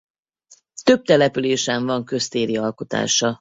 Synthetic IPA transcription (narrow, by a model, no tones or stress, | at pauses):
t̪ø̞b̚t̪ɛlɛpyleːʃɛɱvɒŋkø̞st̪eːɾiɒlko̞t̪a̰ːʃɒ